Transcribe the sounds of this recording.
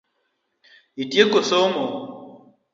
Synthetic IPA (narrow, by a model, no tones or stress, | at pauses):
itiekosomɔ